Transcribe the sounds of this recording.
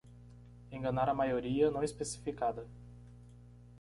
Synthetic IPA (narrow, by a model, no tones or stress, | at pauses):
ẽɡɐnaɾɐmajoɾiɐnɐ̃w̃ispesi̥fikad̪ɐ